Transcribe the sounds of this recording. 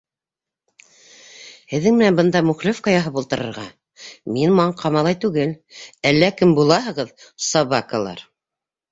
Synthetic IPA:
hɘ̆ðːɘŋmɘ̆nænbɤ̆nd̪ɑmʉχlɘfqɑjɑɦɤpulˠt̪ɤ̆ɾɤ̆ɾʁɑ | minmɑɴqʰɑmɑlˠɑjt̪ʉɡɘlælːækɘmbulˠɑɦɤ̆ʁɤðsɑβɑkəlˠɑ̰ɾ

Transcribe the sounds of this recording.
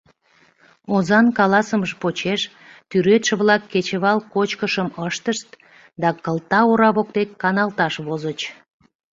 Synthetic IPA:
ozɑnkɑlɑsəməʒpot͡ɕeʃ | t̪yɾet̪ʃə̆βlɑkːet͡ɕəβɑlkot͡ɕkəʃəməʃt̪əʃt̪̚ | d̪ɑkəlt̪ɑoɾɑβok̚t̪ekːɑnɑlt̪ɑʃβozət͡ɕ

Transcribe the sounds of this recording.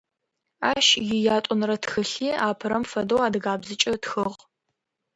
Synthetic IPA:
aːʃjɪjaːtʷʼʊnrɐtxɨɬiːaːpʰɨɾɐmfɐdowaːdɨɣaːbzɨt͡ʃʼɐtxɨʁ

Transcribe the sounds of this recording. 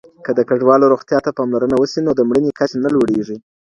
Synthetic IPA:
kəd̪əkaɖwɑloɾoxt̪jɑt̪apɑmlaɾənawəsinod̪əmɽənekat͡ʃanaloɽeʐi

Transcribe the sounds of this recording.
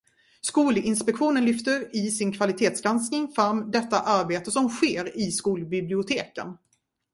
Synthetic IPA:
skuːlɪnspɛkɧuːnənlʏft̪əɾɪsɪnkʰvalɪt̪ʰeːt̪sɡɾansknɪŋfɾamːd̪ɛt̪ːaʔaɾbeːt̪əsɔmɧeːɾɪskuːlbɪblɪʊt̪ʰeːkə̰n

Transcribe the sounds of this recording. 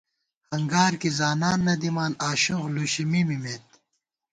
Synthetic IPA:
hɐŋɡaːɾkizaːnaːnːɐd̪imaːnaːɕũxluːɕimimimeːt̪̚

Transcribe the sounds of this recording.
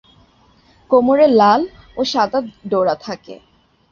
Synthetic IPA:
komoɾelal | oʃad̪at̪ɖoɾat̪ʰakḛ

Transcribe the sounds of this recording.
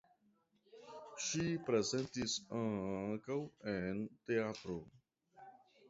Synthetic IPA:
ʃipɾe̞zentisaŋkawente̞atɾo

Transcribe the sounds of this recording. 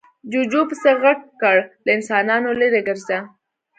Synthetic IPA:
d͡ʒud͡ʒopəseɣaɡ̚kəɽlaɪnsɑnɑnoleɾeɡəɾza

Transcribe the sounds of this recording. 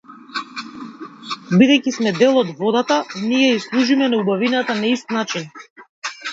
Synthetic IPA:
bid̪ɛjcismɛd̪ɛlˠɔd̪vɔd̪at̪anijɛislˠuʒimɛnaubavinat̪anaist̪nat͡ʃin

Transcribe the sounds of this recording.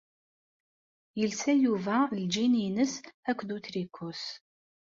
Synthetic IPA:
jɪlsʰɐjuːvaːld͡ʒiːniːnɨsɐkʷʰd̪utʰriːkʷʰos

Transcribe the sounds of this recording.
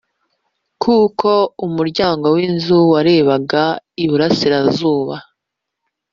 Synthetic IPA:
kʰukʰo̞umuɾɟaːŋɡo̞winzuwaɾe̞ːβaɡaiβuɾasiɾazuːβa

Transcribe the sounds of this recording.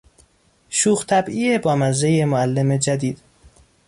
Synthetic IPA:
ʃuːxt̪ʰæbiːebɒːmæzɾejemoælːeme̞d͡ʒæd̪iːd̪̥

